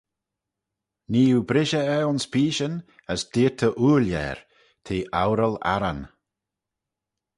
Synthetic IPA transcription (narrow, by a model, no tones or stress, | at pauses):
niːubɾɪʒəɛʊnspʰiːʃən | əsd̥iːtʰəʔuːljɛ̰ːɹ | t̪ʰeːʔawɾəla̰ɾan